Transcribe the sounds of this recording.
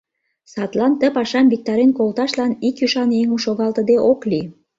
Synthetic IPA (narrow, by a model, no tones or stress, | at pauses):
sɑt̪lɑnt̪ə̆pɑʃɑmbik̚t̪ɑɾenkolt̪ɑʃlɑnikjyʃɑneŋumʃoɣɑlt̪ə̆d̪eʔokli